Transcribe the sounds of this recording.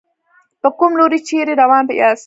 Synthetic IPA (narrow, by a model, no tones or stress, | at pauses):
pəkumloːɾit͡ʃeːɾiɾɐwaːnpɐjaːs